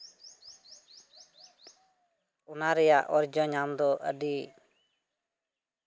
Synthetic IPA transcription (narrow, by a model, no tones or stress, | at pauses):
unaɾɛjaʔɔɾd͡ʒɔɲamd̪ɔʔə̰ɖi